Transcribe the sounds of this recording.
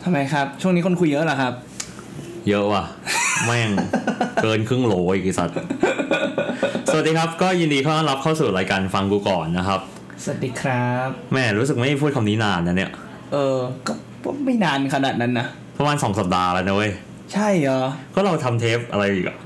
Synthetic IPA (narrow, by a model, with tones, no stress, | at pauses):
t̪ʰa˧mːa˧jkʰa˦˥p̚t͡ɕʰu˥˩ŋniː˦˥kʰo˧nkʰu˧jːɤ˦˥ʔla˨˩kʰa˦˥p̚ | jɤ˦˥ʔwa˧˩mɛː˥˩ŋkɤː˧nkʰɯ˥˩ŋloː˨˦i˨˩i˨˩sa̰˨˩t̪̚ | sa˨˩˨diː˧kʰa˦˥p̚kɔː˥˩ji˧ndiː˧kʰa˦˥wʔaː˥˩˨la˦˥p̚kʰaː˥˩suː˨˩ɾaː˧jkaː˧nfa˧ŋkuː˧kɔː˨˩nːa˦˥kʰa˦˥p̚ | sa˨˩a˨˩t̪̚diː˧˥kʰɾa˦˥p̚mɛː˥˩ɾuː˦˥s̬ɯ˨˩k̚ma˥˩jpʰu˥˩t̚kʰa˧mniː˦˥naː˧nːa˦˥ni˦˥˩ɐʔ | ʔɤː˧kɔː˥˩ | kɔː˥˩ma˥˩jnaː˧nkʰa˧naː˨˩t̪̚na˦˥nːa˦˥ | pʰɾa˧maː˧nsɔː˩˦ŋsa˨˩p̚daː˧laː˧˥da˦˧˦j | t͡ɕʰa˥˩jɔ˨˩kʰɔː˦˥˩ɾa˧wt̪ʰa˧mt̪ʰeː˦˥p̚ʔa˧ɾa˧jʔiː˨˩k̚ʔa̰˨˩